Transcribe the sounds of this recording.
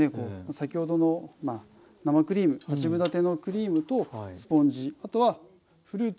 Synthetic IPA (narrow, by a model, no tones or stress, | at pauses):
ekoːmasakʲiho̞d̪o̞no̞ma | namakɯ̟ɾʲiːmɯ̟hat͡ɕibɯ̟d̪at̪e̞no̞kɯ̟ɾʲiːmɯ̟t̪o̞sɨ̥põ̞ɲd͡ʑiat̪o̞βa | ɸɯ̟ɾɯː